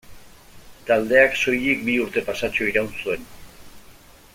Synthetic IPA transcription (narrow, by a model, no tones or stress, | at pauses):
t̪ald̪e̞akso̞jek̚biuɾt̪e̞pasat͡ʃoiɾawnsue̞n